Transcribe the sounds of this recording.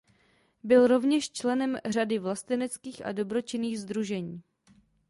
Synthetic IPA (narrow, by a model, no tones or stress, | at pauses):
bɪlɾo̞vɲɛʃt͡ʃlɛnɛmr̝adɪvlast̪ɪnɛt͡skiːxʔa̰do̞bɾo̞t͡ʃɪniːɣzd̪ɾuʒɛɲiː